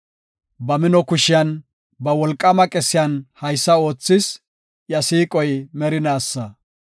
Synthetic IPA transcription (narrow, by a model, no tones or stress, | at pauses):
bɐmɪnɔkʊʃɪjɐn | bɐwɔlkʼːɐmɐkʼɛsɪjɐnhɐjsːɐo̞ːt͡sːɪs | jɐsiːkʼɔjmɛɾɪnaːsːɐ